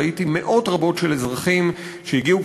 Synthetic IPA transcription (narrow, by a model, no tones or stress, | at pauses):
itime̞ʔo̞tʁabo̞tʃelezʁaχim | ʃejiɡiu